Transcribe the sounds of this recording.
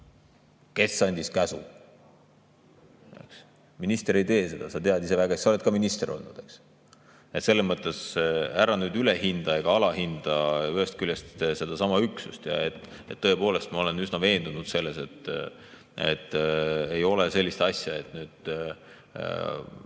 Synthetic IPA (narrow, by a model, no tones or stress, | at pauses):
ke̞sːɑnʲd̪̥ʲiskæsṵ | ḛks | minist̪eɾe̞jt̪e̞ːse̞d̪̥ɑsɑt̪e̞ɑd̪is̬evæɡ̥ɑesɑo̞le̞t̪̚kɑminist̪e̞ɾʔo̞̰lnud̪̥e̞ks | et̪se̞lːemɤt̪ːˑe̞sæɾɑnyːd̪yle̞hind̪̥ɑe̞ɡ̥ɑɑlɑhind̪̥ɑyɦest̪̚kyljest̪se̞d̪̥ɑsɑmɑyksust̪jɑ̰et̪ːet̪ːɤ̞e̞po̞ːle̞st̪mɑo̞le̞nysnɑve̞ːnd̪̥unud̪̥se̞lːe̞se̞t̪ː | ḛt̪ːˑe̞jo̞lese̞lʲːist̪ɑsʲjɑe̞t̪ˑnyːd̪̥